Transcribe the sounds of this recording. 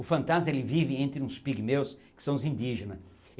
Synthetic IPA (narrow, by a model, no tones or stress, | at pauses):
ʊfɐ̃nt̪azmɐelɪvivɪẽnt̪ɾɪũspiɡmewskɪ̥sɐ̃w̃ʊzĩnd̪iʒẽnɐ